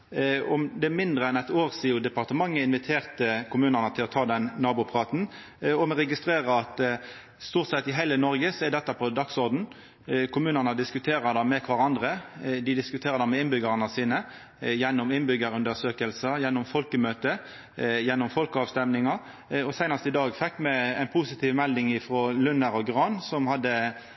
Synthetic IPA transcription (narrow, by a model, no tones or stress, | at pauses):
ɔmd̪ɛmɪnd̪ʁəɛnæt̪oːʁsɪːʊd̪ɛpɑʁt̪əmɑŋːəɪnʋɪt̪ʰeːʁt̪əkʰʊmʉːnənət̪ʰɪlɔt̪ʰɑːd̪ɛnːɑːbʊpʰʁɑːt̪n̩ | ɔmɛɾʁɛɡɪst̪ɾeːʁəɑt̪ | st̪uːʁt̪sɛt̪ːɪɦæɪlənɔɾɡəsɔɛd̪ɛt̪ːəpʰɔd̪ɑksɔɾd̪n̩ | kʰʊmʉːnənəd̪ɪskʉt̪ʰeːʁəd̪ɑmɛkʰʋɑʁɑnd̪ʁəd̪ɪd̪ɪskʉt̪ʰeːʁəd̪ɑmɛɪnbʏɡəʁənəsiːnə | jɛnːɔmɪnbʏɡəɾʉnd̪əsøːkəlsəjɛnːɔmfɔlkəmøːt̪ə | jɛnːɔmfɔlkəɑːʋst̪ɛmnɪŋɑ | ɔsæɪnɑst̪ɪd̪ɑːɡfɛkːmɛæɪnpʰʊsɪt̪ʰiːʋmɛld̪ɪŋɪfɾoːlʉnəɾɔɡʁɑːnsɔmhɑd̪ːə